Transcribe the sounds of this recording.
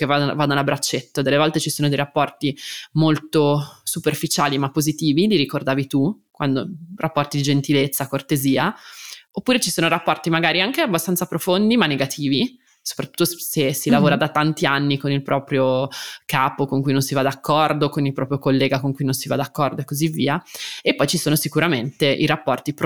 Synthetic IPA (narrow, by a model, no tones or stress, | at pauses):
kevad̪vad̪alabɾat͡ʃːet̪ːod̪elːevɔlt̪et͡ʃisoːnod̪ejɾapːɔrt̪imolt̪osuperfit͡ʃaːlimapːozit̪iːvid̪iɾikord̪aːvit̪u | kwand̪orapːɔrt̪id̪id͡ʒent̪ilet̪sːakort̪eziːaopːuːɾet͡ʃisoːnoɾapːɔrt̪imaɡaːɾiaŋkeabːast̪anapɾofond̪imanːeɡat̪ʰiːvi | so̥pɾat̪ːu̥t̪ːosesilavoːɾad̪at̪ant̪ianːikonilpɾɔːpɾjokaːpokoŋkujnõnsivad̪akːɔrd̪okonilpɾɔːpɾjokolːeːɡakoŋkujnonsiva̰d̪akːɔrd̪oekːozivːiːaepːɔjt͡ʃisoːnosikuɾament̪eʔiɾapːɔrt̪ip